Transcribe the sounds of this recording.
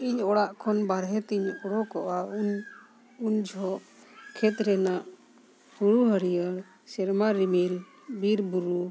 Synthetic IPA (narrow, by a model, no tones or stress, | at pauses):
iɲɔɽaʔkʰɔnbaɾɦɛt̪iɲɔɽɔkɔʔa | uɲd͡ʒʱɔʔ | kʰɛt̪ɾɛnaʔ | huɾuɦəɽijaɽ | sɛɾmaɾimil | biɾbuɾu